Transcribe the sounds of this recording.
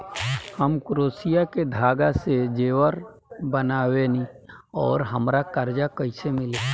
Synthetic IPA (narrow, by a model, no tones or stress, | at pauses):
həmkɾoːsijaked̪ʱaːɡased͡ʒeːwəɾ | bənaːwenĩ | ɔːɾɦəmɾakəɾd͡ʒakəɪsemɪleː